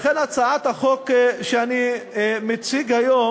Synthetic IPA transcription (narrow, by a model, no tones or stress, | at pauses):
χenat͡saat̪haχokʃeanimet͡siɡhajo